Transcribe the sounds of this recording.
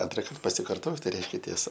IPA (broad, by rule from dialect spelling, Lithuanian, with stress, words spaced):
ˈɐntrɐkɐrt pɐsʲɪkɐrˈtoːt tɐɪ ˈrʲɛɪʃʲkʲɛ tʲiɛˈsɐ